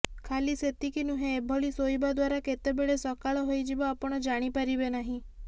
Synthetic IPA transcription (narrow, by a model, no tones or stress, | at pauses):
kʰaliset̪ikinuɦẽːbʱɔɭisoibad̪ʋaɾaket̪ebeɭesɔkaɭɔɦojd͡ʒeʋaapɔɽ̃ɔd͡ʒaɽ̃ipəɾibenaɦĩ